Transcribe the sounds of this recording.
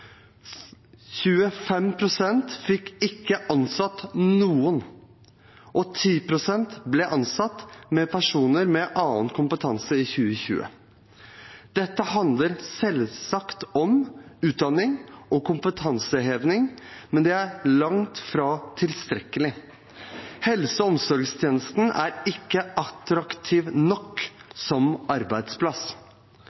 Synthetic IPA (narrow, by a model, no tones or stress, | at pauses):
çʉːəfɛmpʰɾʊsɛnt̪fɪkːɪkːəʔɑnsɑt̪ːnuːən | ʔɔt̪ʰiːpɾʊsɛnt̪blɛʔɑnsɑt̪ːmɛpʰæʂuːnəɾmɛʔɑːənkʰʊmpət̪ʰɑnsəɪçʉːəçʉ̰ːə̰ | d̪̥ɛt̪ːəhɑnd̪ləɾsɛlsɑkt̪ɔmʉːt̪̚d̪ɑnːɪŋɔkʰʊmpət̪ʰɑnsəɦeːʋnɪŋmɛnd̪ɛæɾɭɑŋt̪fɾɑːt̪ʰɪlst̪ɾɛkːəlɪ | hɛlsəɔmsɔɾɡst̪ʰjeːnəst̪n̩æ̰ɾɪkːəʔɑt̪ɾɑkt̪ʰiːʋnɔkːsɔmɑɾbæɪd̪spʰlɑs